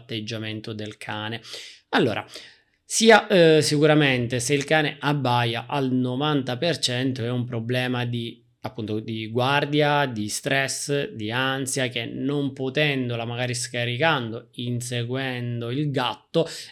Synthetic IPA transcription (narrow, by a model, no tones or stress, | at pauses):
t̪ːed͡ʒːament̪od̪elkʰaːne | alːoːɾʔa̰ | siːasikuɾament̪eseilkaːneʔabːajaʔalnovant̪apert͡ʃɛnt̪oɛumpɾoblɛːmad̪i | apːunt̪od̪iɡward̪jad̪ist̪ɾɛsd̪iansjak̟enompot̪ɛnd̪olamaɡaːɾiskaɾikand̪oinseɡwɛnd̪oilɡat̪ːo